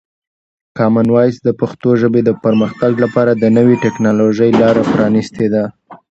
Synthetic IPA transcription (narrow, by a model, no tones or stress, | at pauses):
kɑmanwɑjsd̪əpaxt̪oʒəbed̪əpəɾməxt̪aɡlapɑɾad̪ənəwiʈɪknɑloʒəjlɑɾapɾɑnist̪ʰed̪a